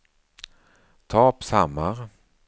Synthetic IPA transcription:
t̪ʰɑːpsamːaʁ

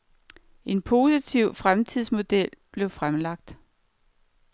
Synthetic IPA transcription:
ʔe̝npʰo̝ːsit͡sʰiʊ̰fʁamt͡sʰiðˠsmo̝d̥el̰b̥le̝ʊfʁamlɑ̈ɡ̥̚d̥

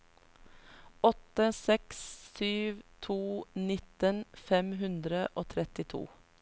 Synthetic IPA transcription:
ɔt̪əsɛkssyːʋt̪ʰuːnɪt̪ənfɛmɦʉnd̪ɾəʔoːt̪ʰɾɛt̪ɪt̪ʰṵː

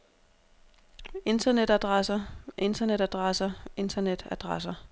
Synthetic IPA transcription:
e̝nd̥ɐned̥æd̥ʁasɐʔe̝nd̥ɐneɾæd̥ʁasɐe̝nd̥ʰɐned̥æd̥ʁas̬ɐ

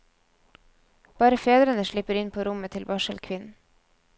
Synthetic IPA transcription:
b̥ɑːɾəfeːd̪ɾənəʃɭɪpəɾɪnpʰoːɾʊmət̪ʰɪlʋɑʃəlkʰʋɪn̩

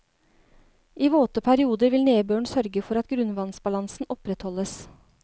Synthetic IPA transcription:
ʔiːʋoːt̪əpʰæɾɪuːd̪əɾʋɪlneːbøːɳsœɾɡəfɔɾɑt̪ɡɾʉnʋɑnsbɑlɑnsn̩ɔpɾɛt̪hɔləs

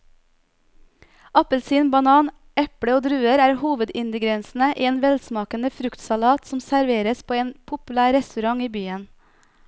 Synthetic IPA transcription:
ɑpəlsiːnbɑnɑːn | ʔɛpɽəoːd̪ɾʉːəɾæːɾhuːʋəd̪ɪnd̪ɪɡɾɛnsn̩əʔiːeːnʋɛlsmɑːkənəfɾʉkt̪sɑlɑːt̪sɔmsæɾʋeːɾəspʰoːeːnpʰʊpʉlæːɾɛst̪ʉɾɑŋiːbyːən

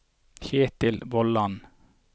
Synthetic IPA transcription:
çeːt̪ɪlʋɔlɑn

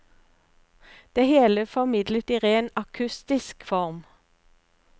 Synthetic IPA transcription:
d̪̥eːheːləfɔʁmɪd̪lət̪iːʁeːnɑkʰʉst̪ɪskfɔʁm

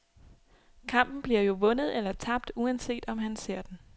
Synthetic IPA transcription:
kʰɑ̈m̰b̥n̩b̥liɐjo̝ʋɔ̽nð̞̩ˠelɐt͡sʰɑ̈b̥̚d̥uænse̝̰ːd̥ɒ̽mɦænse̝ɐ̰d̥en

